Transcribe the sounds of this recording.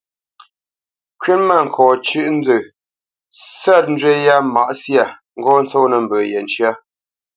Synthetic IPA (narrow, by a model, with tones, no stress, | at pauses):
kɥe˦nma˦˨ŋ̩˨kʰɔː˨t͡ʃʉ˦ʔn̩˦d͡zə˨ | sa˦˨t̚n̩˦dɥe˦ja˦ma˨ʔsja˦˨ | ŋ̩˦ɡɔ˦n̩˦t͡sɔ˦nə˨m˨bəː˨jɛ˨n˨t͡ʃɰa˦